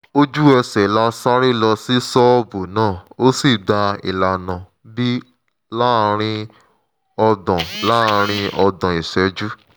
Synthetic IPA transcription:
o˦d͡ʒu˦ɛ˧sɛ˨la˦sa˦ɾi˦lɔ˧si˦sɔ˦bo˨nãː˦˨o˦si˦˨da˧ḭ˨la˨nã˨ | bi˦ | la˦˧ɾ̃ĩ˧ | ɔ˧dɔ̃˨la˦˧ɾ̃ĩ˧ɔ˧dɔ̃˨i˨ʃɛ˨˦d͡ʒu˦

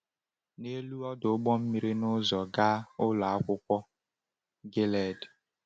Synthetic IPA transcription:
ne˦lu˦ɔ˦dʊ˨˦ɡ͡bɔ˦m̩˦mi˦ɾi˦nʊ˦zɔ˨ɡa˦ʊ˦lɔ˨a˦kʷʊ˦kʷɔ˦ | ɡe˦lɛ˨d

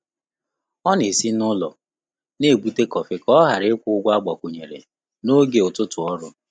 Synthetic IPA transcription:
ɔ˦ne˨si˦nʊ˦lɔ̰˨ | ne˦˨ɡ͡bu˦te˦kɔ˨fɪ˦kɔ˦ɦa˨ɾɪ˦kʷʊ˦ʊ˦ɡʷa˦ɡ͡ba˨kʷo˨ɲe˨ɾḛ˨ | no˦ɡe˨ʊ˨tʊ˦tʊ˨ɔ˦ɾʊ˦

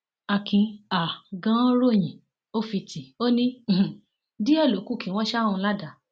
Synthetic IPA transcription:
a˧kʰĩ˧a˨ɡã˦ɾo˦˨j̃ĩ˨ | o˦fi˧ti˨o˦nĩ˦˨ | di˦ɛ˦˨lo˨˦ku˦kĩ˨˦w̃ɔ̃˦ʃa˦ũ˧la˦˨da˨˦

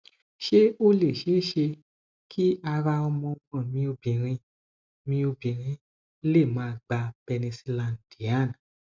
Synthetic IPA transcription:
ʃe˦o˦le˦˨ʃe˨˦˨ʃe˧ | kʰi˦a˧ɾa˧ɔ˧mɔ̃˧mɔ̃˨mĩ˧˦o˧bĩ˨ɾ̃ĩ˧ | mĩ˧˦o˧bĩ˨ɾ̃ĩ˧˦ | le˦˨mãː˨˦˨ɡ͡ba˧b̥e˧nĩ˧si˧lã˨n˨d̥i˨a˦˨n˨

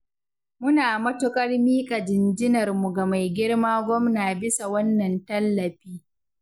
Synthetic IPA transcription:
mʊ˦naː˨mɐ˦tʊ˦kʼɐ˦rmiː˦kʼa˨d͡ʒɪ˨nd͡ʒɪ˦nɐ˨rmu˨ɡa˨ma˨jɡʲɪ˦ɽmaː˦ɡʷɔ˦mnaː˨bɪ˦sa˨wɐ˦nːɐ˨ntɐ˦lːɐ˨ɸiː˦

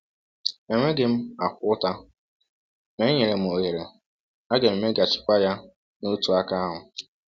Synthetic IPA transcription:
e˨ŋʷe˦ɡɪ˨m̩˦a˨kʷʊ˦ʊ˦ta˦ | me˦ɲe˨ɾe˨m̩˨o˨ɦe˨ɾe˨ | a˦ɡe˨m̩˨me˦ɡa˨t͡ʃɪ̥˨kʷa˦ja˦ | no˦tu˨a˦ka˦a˦ɦʊ˨

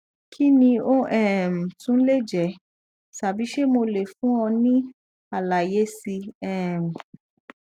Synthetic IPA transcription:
kʰi˦nĩ˧o˦ʔɛ˦˨m̩˨tũ˦n̩˦le˦˨d͡ʒɛ˨˦ | ʃa˨bi˨˦ʃe˦mo˧le˨fũ˦ɔ̃˧nĩ˦ | a˨la˨je˨˦si˧ɛ˦˨m̩˨

